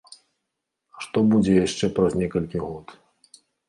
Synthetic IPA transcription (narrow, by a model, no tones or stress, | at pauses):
ʂt̪ɔbud͡zʲɛjaʂt͡ʂɛpɾɐznʲɛkɐlʲkʲiɣɔt̪